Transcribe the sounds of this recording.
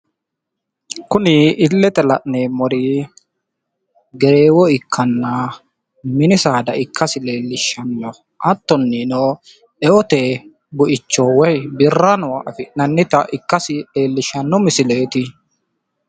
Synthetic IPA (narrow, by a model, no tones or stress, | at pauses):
kʊnɪɪlːɛt̪ɛlɐʔneːmɔɾiː | ɡɛɾeːwɔɪkʰːɐnːɐ | mɪnɪsaːd̪ɐʔɪkʰːɐsɪle̞ːlːɪʃːɐnːɔ | ʔɐt̪ːɔnːinɔː | ʔɛɔt̪e | bʊʔɪt͡ʃːoːwɔjbɪrːɐnʊwɐʔɐfɪʔnɐnːɪt̪ɐʔɪkːɐsɪe̞ːlːɪʃːɐnːɔmɪsɪle̞ːt̪ɪ